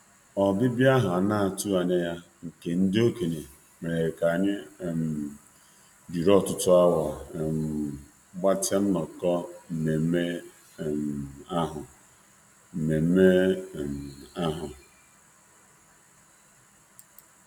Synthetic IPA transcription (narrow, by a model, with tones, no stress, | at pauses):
ɔ˨ɡɪ˦bja˦ɦa˨na˦a˨tu˦a˨ne˦ja˦ | ŋ̩˨ke˨n̩˦dɪ˦o˦ke˨ne˨ | me˨ɾe˨ɾe˨ka˨ɲɪ˦˨m˨ | d͡ʒi˨ɾɔ˦˨tʊ˦tʊ˦a˦wa˨m˨ | ɡ͡ba˦te˦m̩˦nɔ˨kɔ˦m̩˨me˨m̩˦me˦˨ | m˨a˦ɦʊ˨ | m̩˨me˨m̩˦me˦˨m˨a˦ɦʊ˨